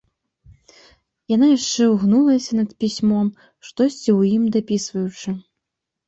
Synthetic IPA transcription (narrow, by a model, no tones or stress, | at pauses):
janajaʂt͡ʂɛwɣnulˠɐsʲɐnɐt̪pʲisʲmɔm | ʂt̪ɔsʲt͡sʲiwjimd̪apʲisvɐjut͡ʂɨ